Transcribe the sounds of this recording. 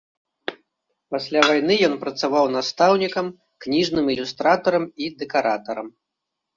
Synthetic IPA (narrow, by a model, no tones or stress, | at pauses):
pasʲlʲavajnɨjɔnpɾɐt̪savawn̪ast̪awnʲikɐm | knʲiʐnɨmilʲust̪ɾat̪ɐɾɐmid̪ɛkaɾat̪ɐɾɐm